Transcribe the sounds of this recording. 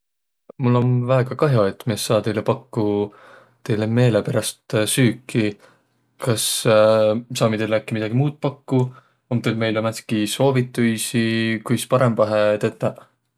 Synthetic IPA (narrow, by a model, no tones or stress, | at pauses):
mulːo̞nvæeɡ̥ɑkɑɦjo̞et̪ːˑmiessɑːt̪e̞jlepɑkːu | t̪e̞jle̞me̞ːle̞peɾɑst̪syːkʰːˑi | kɑs | sɑːmid̪elækːimid̪ɑɡimuːd̪̥̚pɑkːu | omt̪ed̪me̞jlomæt̪skiso̞ːvit̪ːˑujsikujspɑɾe̞mb̥ɑɦet̪et̪ːˑɑ